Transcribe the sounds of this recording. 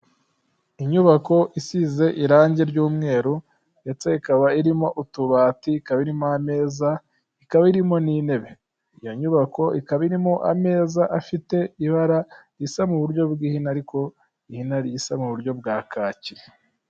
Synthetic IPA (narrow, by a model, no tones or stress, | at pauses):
iɲuβako̞ʔisize̞ʔiɾaːɲɟe̞ɾɟuːmŋe̞ːɾu | jat͡seikaβaiɾimo̞ʔutuβaːtikaβaiɾimoame̞ːza | ikaβaiɾimo̞nine̞βe̞ | ijo̞ɲuβako̞ikaβaiɾimo̞ʔa̰me̞ːzaʔafite̞iβaɾaɾjisamuβuɾɟo̞bɡiːhinaːɾiko̞ | ihinaɾjisamuβuɾɟo̞bɡaːkʰaciɾe